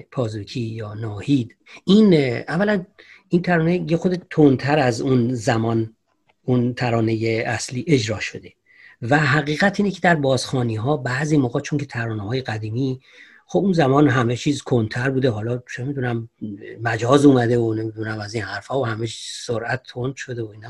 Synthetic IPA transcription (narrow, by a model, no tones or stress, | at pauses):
pʰɒːzukʰiːjɒːnɒːhiːd̪ | iːnʔævːælæn | iːnt̪ʰæɾɒːnejexod̪et̪ʰont̪ʰæɾæzunzæmɒːn | unt̪ʰæɾɒːnejeæsliːʔe̞d͡ʒɾɒːʃo̞d̪e̞ | væɦæɣiːɣæt̪ʰiːnecʰe̞d̪æɾbɒːz̥xɒːniːɦɒːbæziːmoɣɒːt̪̚t͡ʃʰoŋkʰe̞t̪ʰæɾɒːnehɒːjeɡæd̪iːmi | xobunzæmɒːnɦæmet͡ʃʰiːzkʰont̪ʰæɾbuːd̪eɦɒːlɒːt͡ʃʰeemid̪unæmmæd͡ʒɒːzuːmæd̪e̞onemid̪unæmæziːnhæɾfhɒːohæmet͡ʃʰzsoɾʔæt̪ʰːond̪ʃo̞d̪eoiːn